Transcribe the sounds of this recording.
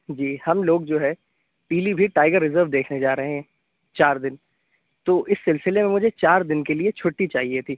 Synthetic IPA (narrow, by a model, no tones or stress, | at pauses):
d͡ʒiːhɐmloːɡd͡ʒoːɦɛ | piːlibʱiʈaːɪɡəɾːɪzəɾʋd̪eːkʰned͡ʒaːɾɐɦeɦɛ̃ː | t͡ʃaːɾd̪ɪn | t̪oːʔɪsːɪlsɪlemẽmʊd͡ʒʱet͡ʃaːɾd̪ɪnkeliet͡ʃʰʊːʈːit͡ʃaːɦiet̪ʰiː